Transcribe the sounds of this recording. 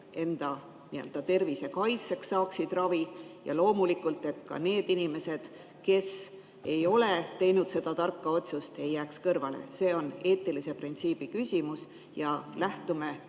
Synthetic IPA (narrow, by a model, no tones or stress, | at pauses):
e̞nd̪̥ɑ | niø̰ld̪ɑt̪e̞rvise̞kɑjt̪se̞ksːɑːksid̪̥rɑvijɑ̰lo̞ːmulikult̪ːˑe̞t̪kɑ̰ne̞ːd̪̥inime̞se̞d̪̥ | ke̞s | e̞jo̞le̞t̪e̞jnud̪̥se̞d̪̥ɑt̪ɑrkːɑo̞t̪sust̪e̞jːæːkskɤrvɑle̞̰se̞ːo̞ne̞ːt̪ːˑilise̞print̪siːb̥ikysʲimus | jɑlæht̪ume̞